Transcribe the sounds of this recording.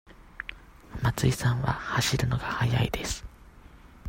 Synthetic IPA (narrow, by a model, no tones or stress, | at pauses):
mat͡sɨisãɰ̃βa̰haɕiɾɯ̟no̞ɡ̥ahajaid̪e̞sɨ̥